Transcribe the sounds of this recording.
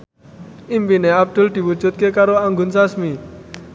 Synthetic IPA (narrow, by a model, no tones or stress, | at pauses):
impineab̚d̪̥ʊld̪̥i̤wud̥d͡ʒ̥ṳt̪̚kekaɾoaŋɡʊnsasmi